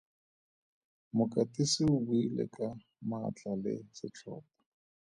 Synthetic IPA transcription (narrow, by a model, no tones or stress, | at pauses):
mʊkʼatʼisɪʊbwilɛ̰kʼa | mat͡ɬʼalɪ̰sɪt͡ɬʰɔ̰ːpḁ